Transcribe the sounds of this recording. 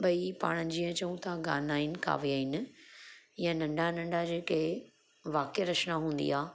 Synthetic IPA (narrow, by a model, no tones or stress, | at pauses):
bɐipa̰ːɽ̃əd͡ʑiə̃t͡ɕɐũt̪aɡa̰ːnaːɪnɪ̆ka̰ːʋiaːɦɪnɪ̆ | ɪjãnɐ̃ɳɖʱanɐ̃ɳɖʱad͡ʑeːkʰe | ʋaːkeɾɐʃnaɦũːnd̪ḭaː